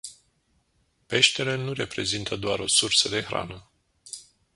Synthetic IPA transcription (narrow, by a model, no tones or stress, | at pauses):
pe̞ʃt̪e̞lenure̞pɾe̞zint̪ʰəd̪oaɾo̞sursəd̪e̞xɾa̰nə